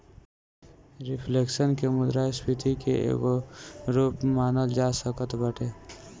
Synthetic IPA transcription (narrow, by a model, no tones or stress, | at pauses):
ɾɪpʰleːkʃənkemʊd̪ɾaːspɪt̪ikḛʔḛːɡoɾuːpmaːnəld͡ʒaːsəkət̪bəʈeː